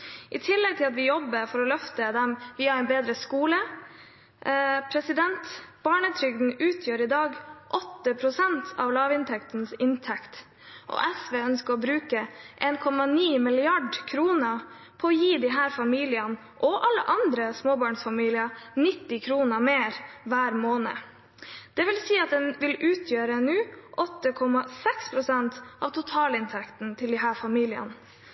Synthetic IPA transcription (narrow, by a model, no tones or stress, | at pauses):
ʔɪt̪ʰɪlːɛɡ̚t̪ʰɪlɑt̪ʋɪjɔbːəɾfɔɾɔlœft̪əd̪ɛmʋɪhɑɾɛnbeːd̪ɾəskuːlə | pʰɾɛsɪd̪ɛnt̪b̥ɑːɳət̪ʰɾʏɡd̪n̩ʉːt̪ʰjøːɾɪd̪ɑːɡʔɔt̪ːəpʰɾʊsɛnt̪ʰɑʋlɑːʋɪnt̪ʰɛkt̪nsɪnt̪ʰɛkt̪ | ʔɔ̰ʔɛsʋeːœnskəɾɔbɾʉːkəʔeːnkʰɔmɑniːmɪlɪɑɖkʰɾuːnə | pʰɔɔjiːd̪ɪɦæːɾfɑmiːlɪən | ʔɔʔɑlːə̰ʔɑnd̪ɾəsmoːbɑːɳsfɑmiːlɪənɪt̪ːɪkʰɾuːnəmeːɾʋæːɾmoːnə̰ | d̪̥ɛʋɪlsiːɑt̪̚d̪ɛnʋɪlʉːt̪ʰjøːɾəɛnʉːʔɔt̪ːəkʰɔmɑsɛkspʰɾʊsɛnt̪ʔɑ̰ʋt̪ʰʊt̪ʰɑːlɪnt̪ʰɛkt̪nt̪ʰɪld̪ɪɦæːɾfɑmiːlɪə̰n